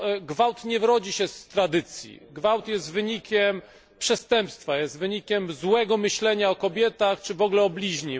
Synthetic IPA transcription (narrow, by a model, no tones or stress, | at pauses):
ɡvawt̪ɲɛvɾɔd͡ʑiɕɛst̪ɾad̪ɘt̪sʲjḭɡvawt̪jɛst̪vɘɲikʲʰɛm | pʂɛst̪ɛmpst̪fajɛst̪vɘɲikʲɛmzwɛɡɔmɘɕlɛɲaɔkɔbʲjɛt̪axt͡ʂɘvɔɡlɛɔblʲiʑɲi